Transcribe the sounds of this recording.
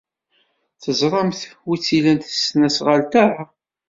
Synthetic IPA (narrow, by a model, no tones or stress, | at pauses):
θəzˤɾˤɑmθwit͡sːilænt̪ə̥snæsʁəlt̪aɾˤa